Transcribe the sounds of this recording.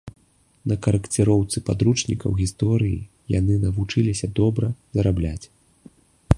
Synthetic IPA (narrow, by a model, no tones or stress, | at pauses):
nɐkɐɾɐkt͡sʲɛɾɔwt̪sɨpad̪ɾut͡ʂnʲikɐ̰wɣʲist̪ɔɾɨji | ja̰nɨnɐvut͡ʂɨlʲisʲɐd̪ɔbɾɐzɐɾablʲat͡sʲ